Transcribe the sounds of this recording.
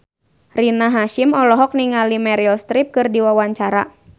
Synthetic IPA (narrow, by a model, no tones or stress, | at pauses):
rinaɦaʃimɔlɔɦɔk̚niŋalimɛɾilst̪ɾip̚kɨrdiwawaɲt͡ʃaɾa̰